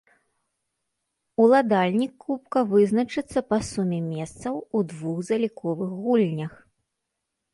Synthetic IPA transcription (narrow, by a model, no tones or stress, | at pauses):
ulˠad̪alʲnʲikːup̚kɐvɨznɐt͡ʂɨt̪sːɐpɐsumʲɛmʲɛst̪sɐwud̪vuxzɐlʲikʰɔvɨxɣulʲnʲɐx